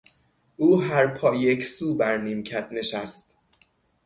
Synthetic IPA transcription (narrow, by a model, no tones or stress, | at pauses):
ʔuːɦæɾpʰɒːjecʰsuːbæɾniːmcʰæneʃæst̪